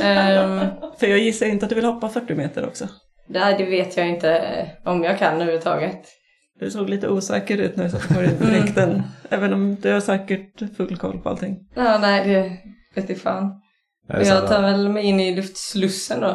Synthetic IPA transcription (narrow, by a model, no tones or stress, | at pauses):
fœɾjɑːɡjɪsːaɾɪnt̪əat̪d̪ɵvɪlhɔpːafœʈːɪmeːt̪əɾɔ̰ksɔ | d̪ɛɖɛveːt̪ʰjɑɪnt̪əɔmjɑːɡkʰanːhʉʉt̪ʰɑ̰ːɡət̪ | d̪̥ɛsoːɡliːt̪əuːsɛ̰ːkəɾʉ̟ːt̪næɾjɪsat̪ːɔːɾɪnpɔɾɪkt̪ənʔɛːvənɔmd̪ɛhaʂɛːkəʈfɵlːkʰɔ̰lːpʰɔa̰t̪ʰɪŋːɑːnɛɪd̪ɛveːt̪ɪfɑ̰ːn | ɔjɑːt̪ʰɑːɾvɛlmɛjɪnːɪlɵft̪slɵsːənd̪o